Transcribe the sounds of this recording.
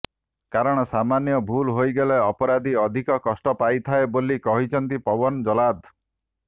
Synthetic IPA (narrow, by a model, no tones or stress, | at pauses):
kaɾɔɽ̃ɔsamanjɔbʱulɦojɡeleɔpɔɾad̪iɔd̪ʱikɔkɔsʈɔpajt̪ʰaebolikɔɦit͡ʃʰɔnt̪ipɔbɔnd͡ʒɔlad̪